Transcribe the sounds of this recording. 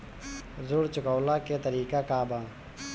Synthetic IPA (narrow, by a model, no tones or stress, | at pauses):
zʊɽt͡ʃʊkɔːlaːket̪əɾiːkakaːbãː